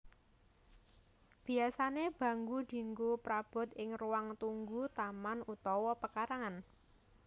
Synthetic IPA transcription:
b̥i̤asaneb̥a̤ŋɡud̪̥i̤ŋɡupɾab̥ʊ̤t̪ɪŋruwaŋt̪uŋɡut̪amanut̪ɔwɔpəkaɾaŋan

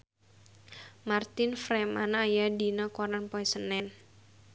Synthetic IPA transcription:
mart̪ɪnfɾɛma̰najadinɔkɔɾanpɔɛsənɛn

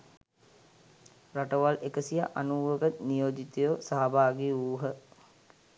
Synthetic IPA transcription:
raʈəʋalekəsijaʔanuːʋəkət̪nijoːd͡ʒit̪ejosaɦabʱaːɡiuːɦə

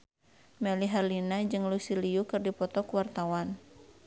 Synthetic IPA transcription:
mɛliɦarlinad͡ʒɨŋlusiliukɨrdipɔt̪ɔkuwart̪awan

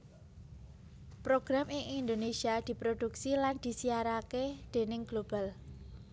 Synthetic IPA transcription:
pɾoɡ̥ɾamɪŋʔind̪onesiad̪̥i̤pɾod̪̥uksiland̪̥i̤siaɾaked̪̥e̤nɪŋɡ̥lob̥al

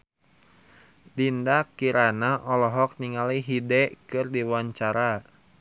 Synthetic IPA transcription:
dindakiɾanaʔɔlɔɦɔk̚niŋaliɦidɛkɨrdiwaɲt͡ʃaɾa

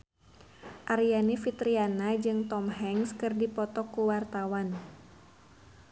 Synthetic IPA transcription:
ʔaɾianifit̪ɾianad͡ʒɨŋt̪ɔmɦɛŋskɨrdipɔt̪ɔkːuwart̪awan

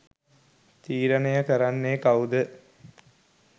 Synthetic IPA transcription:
t̪iːɾənejəkəɾanːekaud̪ə

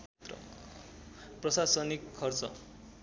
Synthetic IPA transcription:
t̪rʌ̰ | prʌsasʌnikʰːʌrt͡sʌ̰

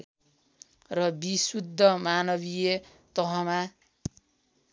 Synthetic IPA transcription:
rʌbisud̪ʱːʌmanʌβije | t̪ʌɦʌma

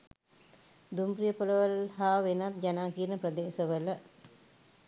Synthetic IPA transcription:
d̪umprijəpoləʋəlhaːʋenat̪̚d͡ʒanaːkiəɾnəprəd̪eːsəʋələ

